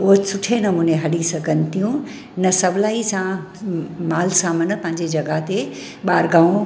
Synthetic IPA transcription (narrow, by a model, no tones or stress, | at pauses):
oɦət͡ɕsʊʈʰenɐmuːneɦɐlisɐɡʱənt̪ʰijũ | nɐsɐbʱlaːisã | maːlsaːmən̆pɐ̃ɦɪ̃ɲd͡ʑed͡ʑɐɡaɦt̪e | ɓaːɾɡãːũ